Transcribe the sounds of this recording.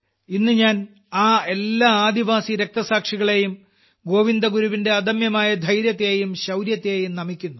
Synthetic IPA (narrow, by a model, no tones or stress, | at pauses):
inːɨɲaːn | aːe̞lːaːaːd̪iʋaːsiɾe̞k̚t̪ɐsaːkʂiɣɐɭe̞jum | ɡo̞ːʋind̪ɐɡuɾuʋinde̞ɐd̪ɐmjɐmaːjɐd̪ʱɐjɾjɐt̪ːeːjumɕɐwɾjɐt̪ːejumnɐmikʲːunːu